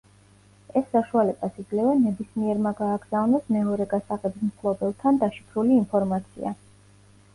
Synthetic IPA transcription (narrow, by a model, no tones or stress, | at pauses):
ɛsːaʃualɛb̥asiɡlɛvɛnɛbismiɛɾmaɡaːɡz̥avnɛsmɛɔɾɛɡasaʁɛbismtʰlˠɔbɛlˠt̪ʰand̪aʃipʰɾuliːnpʰɔɾmat̪sʰḭa̰